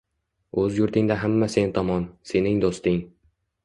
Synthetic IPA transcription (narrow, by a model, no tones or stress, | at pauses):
ɵzjʊɾt̪ʰɪŋd̪aɦamːase̞nt̪ʰɒmɒnse̞nɪŋd̪ost̪ɪŋ